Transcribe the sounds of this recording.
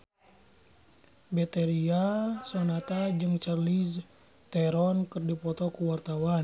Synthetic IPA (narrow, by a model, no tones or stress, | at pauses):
bɛt̪ɛɾiasɔnat̪ad͡ʒɨŋt͡ʃarliz | t̪ɛɾɔnkɨrdipɔt̪ɔkuwart̪awan